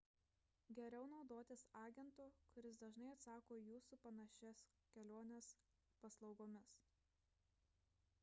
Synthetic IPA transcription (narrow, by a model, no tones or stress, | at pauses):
ɡʲɛɾʲɛʊnɒʊd̪oːt̪ʲɪsɑːɡʲɛnt̪uːkʊɾʲɪsd̪ɐʒnɐɪɐt̪sɑːkoːjuːsupɐnɐʃʲɛs | kʲɛlʲoːnʲeːs | pɐslˠɒʊɡoːmʲɪs